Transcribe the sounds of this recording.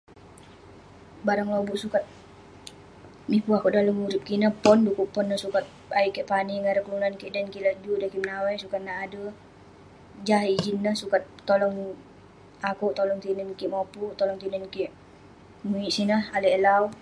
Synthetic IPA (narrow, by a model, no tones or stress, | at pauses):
baɾaŋlobuʔsukat̪̚ | mipuakuʔdaləŋuɾip̚kinəhpɔndukuʔpːɔnːəhsukat̪̚ | aiʔkiʔpaniŋaɾəklunankiʔdankilad͡ʒudahkimnawɛsukat̪̚naadə | d͡ʒaɦid͡ʒinːəhsukat̪̚ːɔlɔŋ | akuʔt̪ɔlɔŋt̪inənkiʔmɔput̪ɔlɔŋt̪inənkiʔ | muiʔsinəhaləɛlau